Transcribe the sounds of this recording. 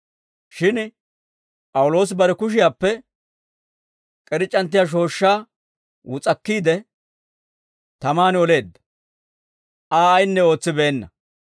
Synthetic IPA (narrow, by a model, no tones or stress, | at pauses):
ʃɪn | pʼɐwʊlo̞ːs̬bɐɾɛkʊʃ̬ɪjaːpːɛ | kʼɛɾɪt͡ʃʼːɐnt̪̬ːɪjaːʃ̬o̞ːʃːaː | wʊt͡sʼɐkːiːd̪ɛ | t̪ɐmaːnɪɔle̞ːd̪ːɐ̥ | ʔaːɐjnːɛo̞ːt͡sːɪbe̞ːnːɐ